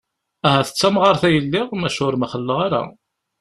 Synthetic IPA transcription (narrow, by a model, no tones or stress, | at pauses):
æɦæθə̥t͡sːæmʁɑɾˤθæjəlːɪʁmæʃʊɾmæχəlːəʁaɾa̰